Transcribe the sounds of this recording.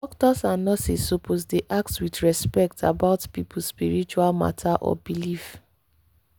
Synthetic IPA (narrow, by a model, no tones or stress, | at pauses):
dɔk̚tɔsãnːɔsisoposdeʔak̚twidɹɛspɛk̚tʰa̰baʊtpipuspiɹit͡ʃualma̰tʰaʔɔ̰bilif